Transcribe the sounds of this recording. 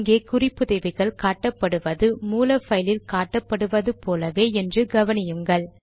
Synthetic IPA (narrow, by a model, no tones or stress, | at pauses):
ŋɡeːkʊrɪpːɯðɛʋɪɣɐɭkaːʈːɐpːɐɽɯʋɐðɯmuːlɐfɐjlɪlkaːʈːɐpːɐɽɯʋɐðɯpoːlɐʋeːɛndrɯɡɐʋɐnɪjɯŋɡɐɭ